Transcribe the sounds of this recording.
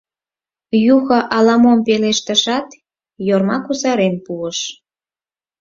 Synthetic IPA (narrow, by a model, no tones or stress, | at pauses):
juxɤ̆ʔɑlɑmompeleʃt̪ə̆ʃɑt̪ | jormɑkuzɑɾempuəʃ